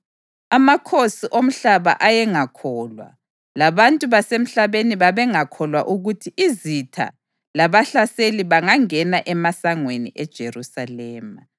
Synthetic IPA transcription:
amakʰosiʔom̩ɬaβa̰ʔajɛŋakʰɔlwa̰ | laβantʼuβasem̩ɬaβeniβaβɛŋakʰɔlwaʔuɣutʰiʔizitʰa̰ | laβaɬaseliβaŋaŋɛnaʔɛmasaŋwenḭʔɛd̥ʒ̥ʱerusalɛːma

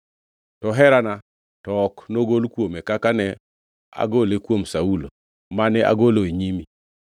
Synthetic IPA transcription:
tɔɦɛɾana | tɔknoɡolkwomekakanɛ | a̰ɡolekwomsaulo | manɛʔa̰ɡoloeɲimi

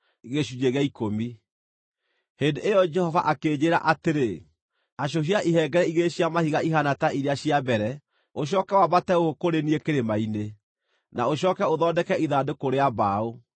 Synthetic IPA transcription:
iɣeʃud͡ʒeɣaikomi | hendeʔejɔd͡ʒɛhɔva̰ʔakeːd͡ʑeɾa̰ʔateɾe | aɕ̬oɦiaʔiɦɛɡɛɾɛiɣeɕiamahiɣaiɦanataʔiɾeaɕiabɛɾɛ | oɕ̬ɔːkɛwaβatɛohokoɾeniekeɾemaine | naoɕ̬ɔːkɛoðɔdɛkɛiðadokoɾeaβao

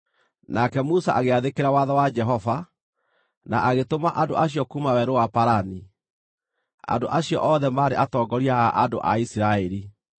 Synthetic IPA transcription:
nakɛmusa̰ʔaɣeaðekeɾawaðɔwad͡ʒɛɦɔva | naʔaɣetomaʔando̰ʔaɕiɔkumawɛɾowapaɾani | a̰ndoʔaɕiɔ̰ʔɔðɛmaːɾeʔatɔːɡɔɾiaaʔando̰ʔa̰isiɾaɛɾi

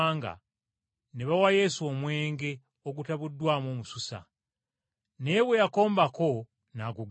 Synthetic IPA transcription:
ŋɡa̰ | neβawaje̞suomwe̞ːŋɡe̞ | oɡutaβudːwaːmoːmususa̰ | neβwejako̞ːmbako̞ | naɡuɡ

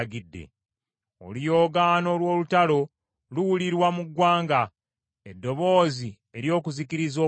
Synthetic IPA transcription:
ɡidːḛ | o̰lijo̞ːɡaːno̞lwo̞ːlutalo̞ | luwuliɾwamuɡwaːŋɡa | edːo̞βo̞ːzi | e̞ɾjo̞ːkuzikiɾizoː

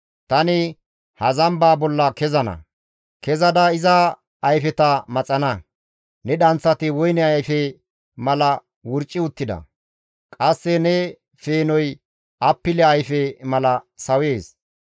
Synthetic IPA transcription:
t̪ɐnɪ | hɐzɐmbaːbɔlːɐkɛzɐnɐ̰ | kɛzɐd̪ɐɪzɐː | jfɛt̪ɐmɐt͡sʼɐnɐ | nɛɗɐnt͡sːɐt̪ɪwɔjnɛɐjfɛ | mɐlɐ | wʊɾt͡ʃʼːɪʊt̪ːɪd̪ɐ̰ | kʼɐsːɛnɛ | feːnɔj | ɐpːɪlɛɐjfɛmɐlɐsɐwe̞ːs

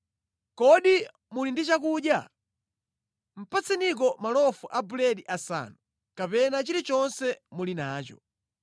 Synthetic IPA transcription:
kɔɗi | mulindit͡ʃak̬uɗja | m̩pat͡sinik̬ɔmalɔfuʔabulɛɗiʔasa̰ːnu | kapɛnat͡ʃiɾit͡ʃɔnsɛmulinaːt͡ʃɔ̰

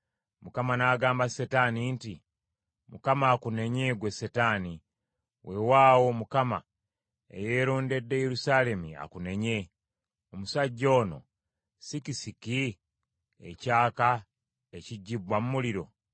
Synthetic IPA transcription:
mukamanaːɡaːmbasetaninti | mukamaːkune̞ɲeɡwe̞setaːni | wʔe̞waːwo̞mukama̰ | e̞̰je̞ːɾoːnde̞dːe̞je̞ɾusaːle̞mia̰kune̞ɲe̞ | omusaɟːo̞ːno̞̰ | sikisiki | ḛcaːka | eciɟːibwamumuliɾo̞̰

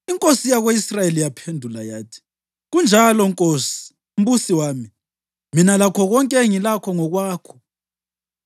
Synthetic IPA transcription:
iŋkʼosijaɣweisrajelijapʰendʱulajaːtʰi̥ | ɣund͡ʒʱalɔŋkʼoːsi̥ | um̩βusiwaːmi | minalakʰɔɣɔŋkʼɛŋilakʰɔŋɔɣwaːkʰɔ̥

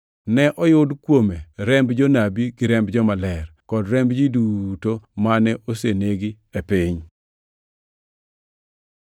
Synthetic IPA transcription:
nɛʔɔjʊdkwomeɾɛmbd͡ʒɔnabiɡɪɾɛmbd͡ʒɔmalɛrkɔdɾɛmbd͡ʒidutomanɛʔoseneɡi | epɪɲ

